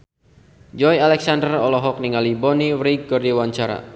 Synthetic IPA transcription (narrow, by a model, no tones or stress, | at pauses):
d͡ʒɔjalɛksandərɔlɔɦɔk̚niŋalibɔniwɾiɡɔrdiwaɲt͡ʃaɾa̰